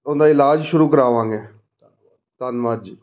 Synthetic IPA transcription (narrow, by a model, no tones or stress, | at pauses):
ʊnd̪aːɪlaːd͡ʒʃʊɾuːkəɾaːʋãːŋɡeː | t̪ənʋaːd͡ʒ